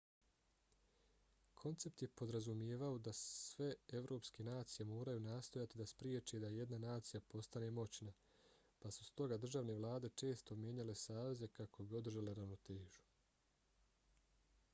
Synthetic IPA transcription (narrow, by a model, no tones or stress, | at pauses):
kʰo̞nt̪se̞p̚t̪je̞po̞d̪ɾazumjeːʋaod̪asʋe̞eʋɾo̞ːpske̞naːt̪sijemo̞ːɾajunaːst̪o̞jat̪id̪aspɾjeːt͡ʃed̪aje̞d̪nanaːt̪sijapo̞st̪anemo̞t͡ɕna | pasust̪o̞ɡad̪rʒaʋne̞ʋlˠaːd̪e̞t͡ʃe̞ːst̪o̞mjeɲale̞saːʋe̞ze̞kakʰo̞bio̞d̪r̩ʒale̞ɾaʋno̞t̪e̞ːʒu̥